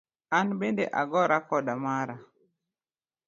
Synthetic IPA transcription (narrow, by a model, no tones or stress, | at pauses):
anbendḛʔa̰ɡɔɾakɔdamaɾa